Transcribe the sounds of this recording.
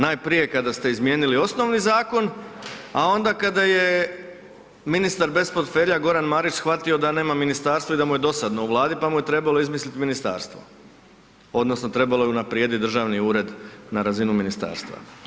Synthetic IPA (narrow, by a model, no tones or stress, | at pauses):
najpɾije̞kad̪ast̪e̞izmje̞ːnilio̞sno̞ʋnizaːko̞nao̞nd̪akad̪aje̞ | minist̪aɾbe̞spot̪fe̞ːɾʎaɡo̞ɾanmaːɾit͡ʃsxʋat̪io̞d̪ane̞ːmaminist̪aːɾst̪ʋoid̪amuje̞d̪o̞sad̪no̞uʋlˠaːd̪ipamuje̞t̪ɾe̞balo̞izmislit̪minist̪a̰ːɾst̪ʋo̞̰ | o̞d̪nosno̞t̪ɾe̞balo̞jeunapɾijed̪it̪̚d̪ɾ̩ʒaːʋniuːɾe̞d̪naɾazinuminist̪a̰ːɾst̪ʋa̰